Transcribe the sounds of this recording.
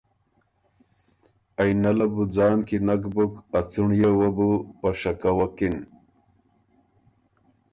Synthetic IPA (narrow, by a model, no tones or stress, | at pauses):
ajnɐlabud͡zɑːnkinakbukɐt͡suɳjewabupaʂakawakin